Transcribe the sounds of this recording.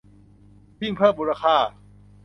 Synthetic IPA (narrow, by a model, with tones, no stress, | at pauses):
bi˥˩ŋpʰɤː˥˩mbuː˧ɾa˧kʰaː˥˩